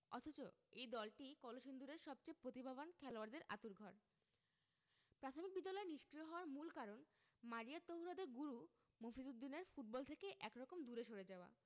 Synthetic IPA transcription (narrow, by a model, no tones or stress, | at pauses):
ɔ̰t̪ʰot͡ɕo̰ejd̪ɔlʈikɔloʃind̪uɾeɾʃɔb̚t͡ɕejpɾot̪ibʱabankʰɛloaɾd̪eɾa̰t̪uɾɡʱɔɾ | pɾat̪ʰomik̚bid̪ːalɔeniʃkɾioɦɔoaɾmulkaɾon | maɾijat̪oɦuɾad̪eɾɡuɾu | mofizud̪ːineɾfuʈ̚bɔlt̪ʰekeʔɛkɾɔkomd̪uɾeʃoɾed͡ʑaoa̰